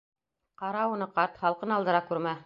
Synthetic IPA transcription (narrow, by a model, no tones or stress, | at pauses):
qɑɾɑunɤqɑɾt̪χɑlˠqɤnɑlˠd̪ɤ̆ɾɑkʉɾmæ